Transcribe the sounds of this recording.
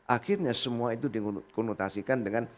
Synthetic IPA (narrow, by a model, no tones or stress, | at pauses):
ʔaxɪrɲasəmuait̪udikɔnot̪asikandəŋan